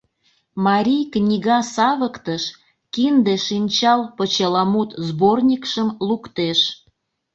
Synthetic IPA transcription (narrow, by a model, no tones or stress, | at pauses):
mɑɾʲijknʲiɣɑsɑβəkt̪əʃ | kind̪eʃinʲt͡ɕɑlpət͡ɕelɑmut̪zbornʲikʃəmlukt̪eʃ